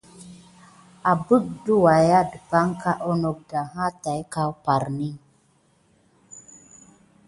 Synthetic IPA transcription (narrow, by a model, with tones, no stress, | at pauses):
a˨bu˦k̚du˦wa˨ja˦dpa˦ŋka˦ʔo˦no˨k̚da˨ɦã˦ta˨jka˦wpa˨ɾni˦